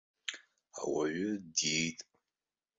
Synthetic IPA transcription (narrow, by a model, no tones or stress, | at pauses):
awaɥʊdejtʼ